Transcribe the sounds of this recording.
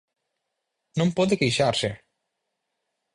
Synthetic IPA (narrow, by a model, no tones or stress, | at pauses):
nompɔðekejʃaɾse